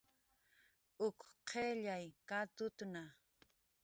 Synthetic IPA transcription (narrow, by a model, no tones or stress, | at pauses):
ʊkqʰeʎajkat̪ʊt̪na